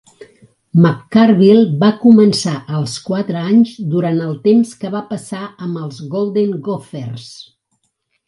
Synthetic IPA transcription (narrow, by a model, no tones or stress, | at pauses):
məkːarβilˠbakumənsaʔəlˠskwat̪ɾəaɲzd̪uɾant̪əlˠt̪emskəβapəsaəmbəlˠzɣolˠd̪eŋɡofers